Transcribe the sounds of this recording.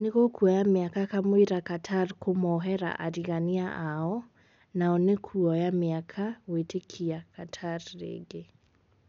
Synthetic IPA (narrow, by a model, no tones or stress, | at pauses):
neɣokuɔjameakakamwiɾakatʰaɾkomɔɦɛɾa̰ʔaɾiɣaniaʔaɔ | naɔnekʰuɔjameakʰawetekʰiakatʰaɾɾḛɡe